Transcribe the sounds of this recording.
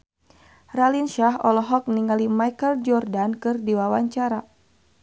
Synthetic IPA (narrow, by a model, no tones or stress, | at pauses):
ralinʃaɦɔ̰lɔɦɔk̚niŋalimajkəld͡ʒɔrdankɨrdiwawaɲt͡ʃaɾa